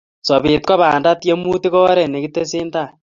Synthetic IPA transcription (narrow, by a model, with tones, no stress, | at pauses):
so˨βi˨t̚ka˦βaː˨nda˦tje˦mu˦ti˦kɔː˦ɾe˨ne˨kite˦siː˦nta˦˨